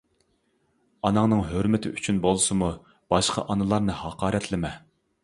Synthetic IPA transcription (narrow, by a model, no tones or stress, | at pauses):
ɑnɑŋnɨŋɦøɾmɪt̪ʰɪʔy̰t͡ʃʰynbolˠɨsɨmu | b̥ɑʃqʰɑ̰ʔɑnɨlˠɑɾnɨhɑqʰɑːɾɛt̪ʰlɪmɛ